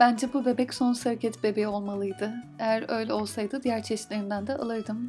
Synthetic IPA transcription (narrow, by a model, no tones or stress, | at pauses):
b̥ænd͡ʒɛbube̞bɛcso̞nsaɾcʰɛt̪ʰbe̞bejio̞lˠmalˠɯjd̪ɯejæɾø̞jlʲo̞lˠsajd̪ɯd̪ijæɾt͡ʃʰɛʃt̪lʲeɾind̪ænd̪ɛʔa̰lˠɯɾd̪ɯm